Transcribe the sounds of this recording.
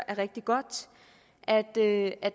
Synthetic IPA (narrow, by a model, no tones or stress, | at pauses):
ʔæɐʁɛɡ̥̚d̥iɡ̥ɒ̽d̥ | ʔæd̥øʔæd̥